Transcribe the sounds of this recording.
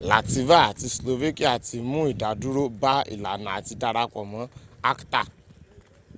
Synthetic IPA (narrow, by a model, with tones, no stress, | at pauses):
la̰˨ti˧va˦a˨ti˧slo˧ve˦ki˦a˦˨ti˧mũ˦i˦˨da˨˦du˦ɾo˦ba˦ḭ˦˨la˨nã˨a˨ti˧da˧ɾa˧kɔ˨mã˨˦a˦kta˦˨